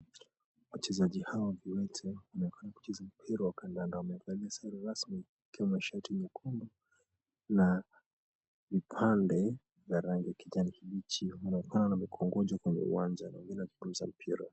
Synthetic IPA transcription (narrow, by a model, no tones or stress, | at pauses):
wat͡ʃɛzaʄihawaviwɛtʰɛwanaɛkanaku̥t͡ʃɛzam̩pʰiɾawakandandaumɛiŋɡaliasaɾiɾasmi | ikiwamaʃatʰimikʰumbɔ | na | vipʰandɛ | vjaɾaŋɡijakiʄanihiɓit͡ʃiwanaɛkananamikʰɔŋɡɔʄɔkwɛɲɛ̰ṵwand͡ʒana̰wɛŋɡinɛwad͡ʒuɡuuza̰m̩pʰiɾa̰